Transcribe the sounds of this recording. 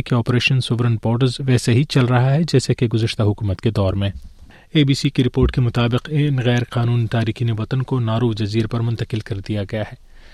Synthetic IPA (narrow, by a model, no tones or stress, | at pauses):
keɔːpɾeːʃənsʊʋɾənboːɾɖəɾzʋɛːseɦit͡ʃɐlɾɐɦaɦɛd͡ʒɛːsekeɡʊzəʃt̪aɦʊkuːmət̪ked̪ɔːɾmẽː | eːbiːsikeɾɪpoːɾʈkemʊt̪aːbɪqɪnɣɛːɾqaːnuːnit̪aːɾiːxineʋɐt̪ənkonaːɾuːd͡ʒɐziːɾpɐɾmʊ̃nt̪əqɪlkɐɾd̪ijaɡɐjahɛː